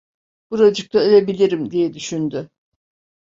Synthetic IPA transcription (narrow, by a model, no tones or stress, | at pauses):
b̥uɾad͡ʒɯk̚t̪ʰaelʲebilʲiɾimd̪ijɛd̪yʃynd̪ʏ